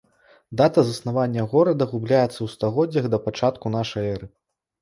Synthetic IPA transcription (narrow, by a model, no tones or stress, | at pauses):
d̪at̪ɐzɐsnavanʲːɐɣɔɾɐd̪ɐɣublʲajɛt̪sːɐwst̪aɣɔdd͡zʲːɐɣd̪ɐpat͡ʂat̪kun̪aʂɐjɛɾɨ